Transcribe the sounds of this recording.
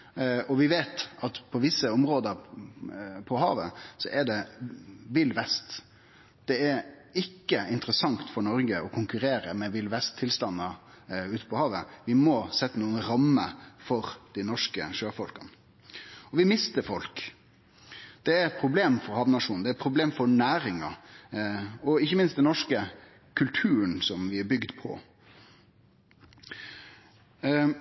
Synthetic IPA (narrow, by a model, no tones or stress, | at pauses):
ɔʋɪʋeːt̪ɑt̪pʰɔʋɪsːəɔmɾoːd̪əɾ | pʰɔɦɑ̰ːʋəsɔʔɛɖɛ | ʋɪlʋɛst̪ | d̪̥ɛæɾ | ɪkːəɪnt̪əɾəsɑŋt̪fɔɾɳɔɾɡəʔɔkʰʊŋkʉɾeːɾəmɛʋɪlʋɛst̪ʰːɪlst̪ɑnːə | ʉːt̪ə̥pʰɔhɑːʋəʋɪmɔsɛt̪ːənuːənɾɑmːəfɔɾd̪̥ɪnɔʂkəʂøːfɔlkɑn | ɔʋɪmɪst̪əɾfɔlk | d̪̥ɛæɾpʰɾʊbleːmfɔɾhɑːʋnɑʂuːnn̩ɛæpʰɾʊbleːmfɔɾɳæːɾɪŋɑ | ɔɪçːəmɪnst̪d̪ɛnɔʂkə | kʰʉlt̪ʰʉːɾənsɔmʋɪæɾbʏɡd̪pʰɔ̰